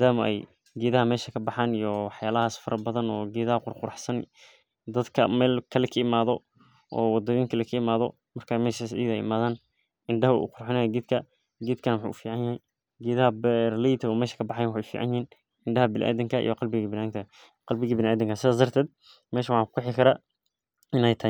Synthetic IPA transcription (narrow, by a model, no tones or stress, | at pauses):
aːd̪aːmɐʔɛ̰j | ɡɛːðɐɦɐmɛːʃɐkʰɐbɑħaːnijɔwɑħjaːlɐɦaːsfɐɾʔɐbɐðɐnɔːɡɛːðɐɦɐqʊrqʊɾɑħsɐn | d̪ɐd̪kʰɐmɛːlkʰɐlɛkʰɐɪmaːðɔ | ʔɔ̰ːwɑd̪ɐɣiːŋkʰɐlɛkʰɐɪmaːðɔ | mɐrkʰamɛːʃasḭðɛ̰jɪ̰maːðaːn | ʔɪnɖɐɦɐ̰ʔṵqʊrħɪnɛjɐɡɛːd̪kʰɐ | ɡɛːd̪kʰɐnɐwʊħṵːʊ̰fiːʕɑnjɐhɛj | ɡɛːðɐɦɐbɛrlijt̪ʰɐɔːmɛːʃɐ̥kʰɐbɑħajwɑħefḭːʕa̰njɪhiːn | ʔɪɳɖɐɦɐbɪnʔa̰ːd̪ɪŋkʰɐʔḭjɔqɑlbɪɣɐbɪnaːnt̪ʰɐ | qɑlbɪɣɐbɪnaːd̪ɪŋkʰɐsɪðaːsd̪ɐrt̪ʰɛːd̪̚ | mɛːʃɐwħɑːŋku̥kʰʊħɪkʰɐɾaː | ɪnɛjt̪ʰɐ